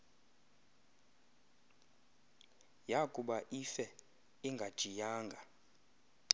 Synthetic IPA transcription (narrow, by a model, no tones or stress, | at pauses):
jakʼuɓaʔifɛ | iŋɡʱad̥ʒ̥ʱijaːŋɡʱa